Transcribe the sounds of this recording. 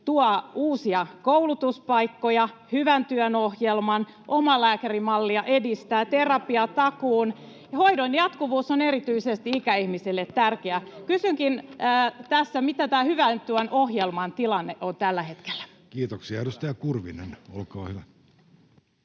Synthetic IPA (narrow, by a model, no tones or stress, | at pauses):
t̪uɑuːsiɑkoulut̪uspɑikːojɑhyʋænt̪yœnohjelmɑn | ʔomɑlæːkærimɑlːiɑʔedist̪æːt̪erɑpiɑt̪ɑkuːn | hoidonjɑt̪kuʋuːsoneɾrit̪yisest̪iikæihmisilːet̪ːærkeækysyŋkinːt̪æsːæmit̪æt̪æːhyʋænt̪yønʔohjelmɑnt̪ilɑnːeʔont̪ælːæhe̞t̪ke̥lːæ̥ | kiːt̪oksiɑedust̪ɑjɑkurʋḭnḛnolkɑːhyʋæ